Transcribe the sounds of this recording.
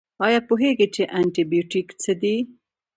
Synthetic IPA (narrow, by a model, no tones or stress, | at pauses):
ɑjɑpoɦeɡit͡ʃeʔaɳʈibijuʈikt͡səd̪i